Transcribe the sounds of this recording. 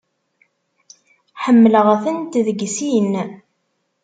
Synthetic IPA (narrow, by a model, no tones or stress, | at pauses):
ħəmːələʁæθənt̪ðəɡsin